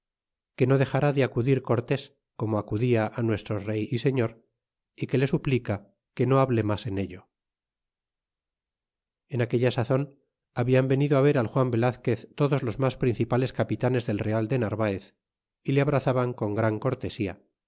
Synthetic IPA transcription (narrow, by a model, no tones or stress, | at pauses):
ke̞no̞ðe̞xaɾaðeakuðiɾko̞ɾt̪e̞s | ko̞moakuðiaʔanwe̞st̪ɾo̞re̞jise̞ɲo̞ɾ | ike̞le̞suplika | ke̞no̞aβle̞mase̞ne̞ʎo̞ | e̞nake̞ʎasaθo̞n | aβiambe̞niðoaβ̞e̞ɾalxwambe̞laθke̞θt̪o̞ðozlo̞zmaspɾin̟θipale̞skapit̪ane̞zðe̞lreald̪e̞naɾβaeθ | ileaβ̞ɾaθaβaŋko̞ŋɡɾaŋko̞ɾt̪e̞sia̰